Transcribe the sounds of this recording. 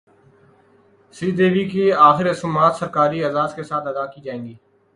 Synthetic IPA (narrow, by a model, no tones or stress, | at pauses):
siːd̪eːʋiːkeaːxɪɾsʊmːaːt̪səɾkaːɾiːɐzaːzkesaːt̪ɐd̪aːkiːd͡ʒaːẽːŋɡiː